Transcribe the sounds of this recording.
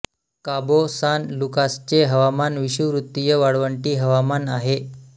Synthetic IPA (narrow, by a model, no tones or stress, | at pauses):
kabosanlukast͡ɕeɦəʋamanʋiɕuʋɾut̪ːijəʋaɽʋəɳʈiːɦəʋamanaɦe